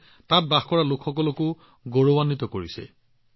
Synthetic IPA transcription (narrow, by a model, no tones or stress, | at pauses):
tat̚baxkɔɹalokʰxɔkɔlɔkʊ | ɡoɹowanːitɔkoɹisɛ̰